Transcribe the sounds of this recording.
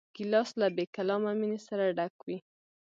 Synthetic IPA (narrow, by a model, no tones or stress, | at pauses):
ɡ̥ilɑslabekalɑmaminesaɾaɖakwi